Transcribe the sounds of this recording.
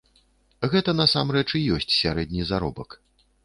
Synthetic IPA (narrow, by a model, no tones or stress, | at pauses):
ɣɛt̪ɐnɐsamɾɛt͡ʂijɔsʲt͡sʲsʲaɾɛd̪ʲnʲizaɾɔbɐk